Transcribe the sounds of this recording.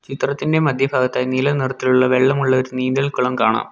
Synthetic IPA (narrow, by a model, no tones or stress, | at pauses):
t͡ɕit̪rɐt̪ːinde̞mɐd̪ʱjɐbʱaːɡɐt̪ːaːjnilɐnirt̪ːiluɭːɐʋe̞ɭːɐmuɭːɐoɾuniːðɐlkuɭɐmkaːɳa̰ːm